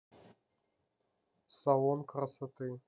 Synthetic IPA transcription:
sawonkɾasat̪ɨ

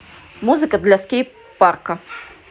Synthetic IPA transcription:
muzɨkəd̪lʲaskʲij | parkɐ

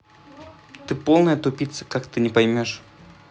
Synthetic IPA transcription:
t̪ɨpolˠnəjət̪ʊpʲit̪sə̥kakt̪ɨnʲɪpɐjmʲoʂ

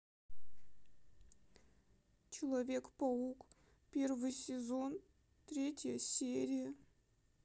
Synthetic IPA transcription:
t͡ɕelˠɐvʲekpouk | pʲervɨjsʲezon | t̪ɾʲetʲjəsʲeɾʲijə

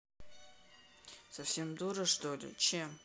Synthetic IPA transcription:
sɐfsʲemd̪uɾəʂt̪olʲɪ̰t͡ɕem

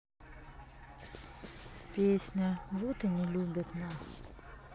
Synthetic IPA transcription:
pʲesʲnʲɐvut̪ɨnʲɪlʲubʲɐt̪nas

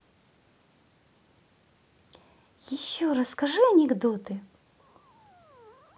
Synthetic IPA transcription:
jɪɕːoɾɐskɐʐɨɐnʲɛɡd̪ot̪ɨ

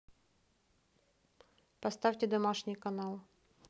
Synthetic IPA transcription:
pɐst̪afʲtʲɪd̪ɐmaʂnʲɪjkɐnalˠ

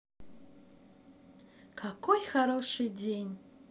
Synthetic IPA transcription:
kʰakʰojxaɾoʂɨdʲenʲ

